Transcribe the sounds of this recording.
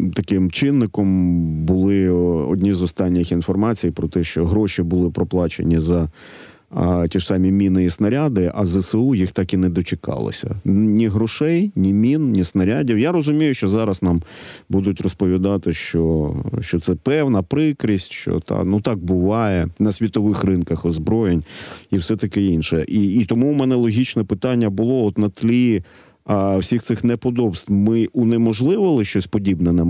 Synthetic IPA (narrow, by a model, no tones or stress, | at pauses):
t̪ɐkɪmt͡ʃɪnːɪkɔmbʊlˠɪɔ̰dʲnʲizɔst̪ɑnʲːɪxinfɔrmɑt͡sʲijpɾɔt̪ɛʃt͡ʃɔɦɾɔʃibʊlˠɪpɾɔplˠɑt͡ʃḛnʲizɐ | tʲiʂsɑmʲimʲinɪjisnɐɾʲad̪ɪʔɐzɛsɛujixt̪ɑkinɛd̪ɔt͡ʃɪkɑ̰lˠɪ̰sʲɐ̰nʲiɦɾɔʃɛjnʲimʲinnʲisnɐɾʲadʲiwjaɾɔzʊmʲijʊʃt͡ʃɔzɑɾɐznɑmbud̪ʊtʲrɔspɔʋʲid̪ɑt̪ɪʃt͡ʃɔʃt͡ʃɔt̪sɛpɛwnɐpɾɪkɾisʲtʲʃt͡ʃɔ̰t̪ɑ̰nut̪ɑk̚bʊʋɑjɛnɐsʲʋʲit̪ɔʋɪxrɪnkɐxɔzbɾɔjenʲiwsɛt̪ɐkɪinʃɛʔiːt̪ɔmuːmɛnɛlˠɔɦʲit͡ʃnɛpɪt̪ɑnʲːɐbʊlˠɔɔt̪nɐt̪lʲi | ɐwsʲixt̪sɪxnɛpɔd̪ɔbst̪wmɪʊnɛmɔʒlˠɪʋɔlˠɪʃt͡ʃɔsʲpɔdʲibnɛnɛ